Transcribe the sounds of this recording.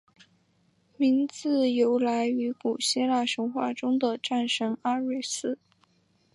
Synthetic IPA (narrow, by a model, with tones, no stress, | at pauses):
mi˧˥nt͡sɹ̩˥˩jo˧˥ʊla˧˥ɪy˧˥ku˨˩ɕɛ˥la˥˩ʂɤ˧˥ŋxwa̰˥˩ʈ͡ʂʊ˥ŋd̪ə˨ʈ͡ʂa˥˩nʂɤ˧˥ŋa˥ɻi˥˩s̩˥